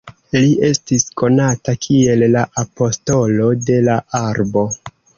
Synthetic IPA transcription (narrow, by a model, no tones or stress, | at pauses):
liʔe̞stisko̞natakʰie̞lːaʔapo̞sto̞lo̞de̞laaɾbo̞